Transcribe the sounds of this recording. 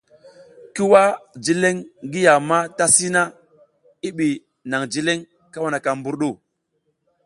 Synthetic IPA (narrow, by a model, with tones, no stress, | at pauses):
ki˦wa˦d͡ʒi˦le˦ŋɡi˦ja˨ma˦ta˦si˦na˦ | i˦ɓi˨ | na˨ŋd͡ʒi˦le˦ŋ | ka˦wa˨na˨ka˨mbu˦ɾɗu˦˨